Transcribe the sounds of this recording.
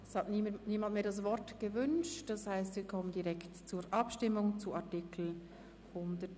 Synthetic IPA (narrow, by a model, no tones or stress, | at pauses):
ɛshɑtniniːmantmeːɐdɑs̬vɔɾtɡ̥əvʏnʃtd̥ɑshaɪstviːɐkʰɔməndiʁɛktt͡suːɾʔɑpʃtɪmʊŋt͡suʔɑʁtikl̩ | hʊndət